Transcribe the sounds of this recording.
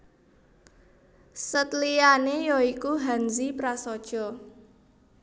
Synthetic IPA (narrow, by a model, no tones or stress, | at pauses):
sət̪lianejɔikuɦanzipɾasɔd̥ʒ̥ɔ̤